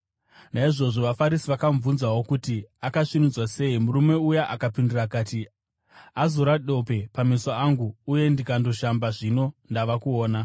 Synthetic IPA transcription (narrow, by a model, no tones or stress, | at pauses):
naiʐo̞ʐo̞ʋafaɾisiʋakaɱvunzawo̞kutiakaʂinud͡zwase̞ːimurume̞ujaʔakapindirakaːti | azoɾaɗo̞pe̞pamisoaŋɡuːje̞ndikando̞ʃambaʐino̞ndaʋakuoːna